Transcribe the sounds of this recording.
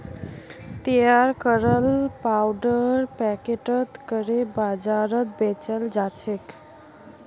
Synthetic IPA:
t̪ijaɾkəɾəlpawɖəɾpɛkeʈət̪kəɾebad͡ʒaɾət̪̚bet͡ʃəld͡ʒat͡ʃʰek

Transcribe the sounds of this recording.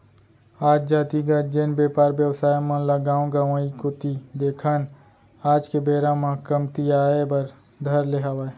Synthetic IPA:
aːd͡ʒd͡ʒaːt̪iɡət̪d͡ʒenbeːpaːɾbjəwsaːjmɐ̃ləɡaːõɡaʋãːikʊt̪id̪eːkʰən | aːd͡ʒkebeːɾãmãkɐmt̪iaːebɐɾ | d̪ʱɐɾleɦaːʋa

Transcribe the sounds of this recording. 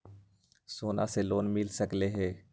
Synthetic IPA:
soːna̰seloːnmɪlsəkleɦɛː

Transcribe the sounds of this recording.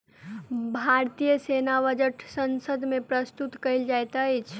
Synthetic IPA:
bʱaɾt̪ijəsenaʋəd͡ʒəʈsənsəd̪mepɾəst̪ut̪kəɪld͡ʒajt̪ət͡ʃʰ

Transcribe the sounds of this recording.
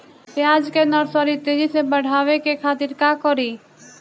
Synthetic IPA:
pjaːd͡ʒkenəɾsəɾit̪ed͡ʒisebəɽ̤aːʋekekʰaːt̪iɾkakɔɾi

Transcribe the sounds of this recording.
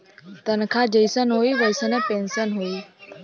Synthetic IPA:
t̪ənkʰãːd͡ʒəɪsənɦoiːʋəɪsənepẽːnsənɦoiː

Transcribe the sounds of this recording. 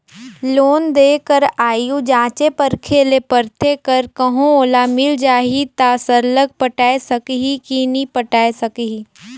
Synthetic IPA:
loːnd̪eːkəɾaːjũd͡ʒãːt͡ʃepəɾkʰeːlepəɾt̪ʰekəɾkəɦõoːlamɪld͡ʒaːɦit̪aːsəɾləɡ̚pəʈaːesəkɦikinipəʈaːesəkɦi

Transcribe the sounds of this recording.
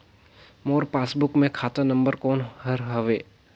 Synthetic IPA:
moːɾpaːsbʊkmẽkʰaːt̪anɐ̃mbəɾkoːnhɐɾɦɐʋeː

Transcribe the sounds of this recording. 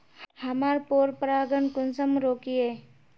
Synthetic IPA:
həmaːɾpoːɾpɾaːɡənkʊnsəmɾoːkieː

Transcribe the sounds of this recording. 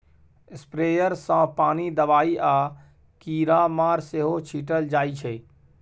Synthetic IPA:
ɪspɾeːjəɾsãpaːnid̪əʋaːiʔaː | kiːɾamaːɾseɦot͡ʃʰiːʈəld͡ʒaːit͡ʃʰeː

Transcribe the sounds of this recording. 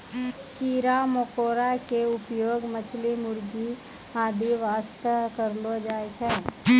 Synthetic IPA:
kiːɾamokoːɾakeʊpjoːɡmət͡ʃʰlimʊɾɡi | aːd̪ʱiʋaːst̪əkəɾlod͡ʒaːet͡ʃʰɛ

